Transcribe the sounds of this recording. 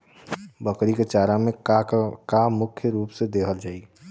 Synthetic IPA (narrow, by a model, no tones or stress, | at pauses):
bəkɾiket͡ʃaːɾamẽkamʊkʰjəɾuːpsed̪eːkʰəld͡ʒaːi